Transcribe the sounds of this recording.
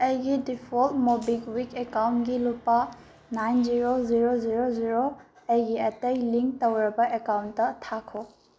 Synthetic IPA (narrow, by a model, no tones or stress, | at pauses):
ɐjɡidipʰoltmobikwikekawntɡilupa | najnziɾoziɾoziɾoziɾo | ɐjɡiɐtejliŋk̚towɾɐbɐʔekawntːɐtʰakʰo